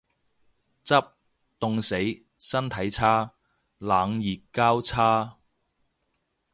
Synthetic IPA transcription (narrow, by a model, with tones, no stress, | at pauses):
t͡sɐ˥p̚ | t̪ʊ˨˧ŋse˨˥j | sɐ˥nt̪ʰɐ˨˥jt͡sʰaː˥ | laː˨˧ŋjiː˨kːaː˥wt͡sʰaː˥